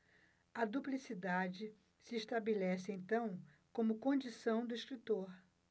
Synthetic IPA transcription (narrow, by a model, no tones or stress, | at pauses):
ɐd̪uplisid̪ad͡ʒɪ | sɪːʃt̪abelɛsɪẽj̃t̪ɐ̃w̃ | kõmʊkõd͡ʒisɐ̃w̃d̪ʊiʃkɾit̪oɾ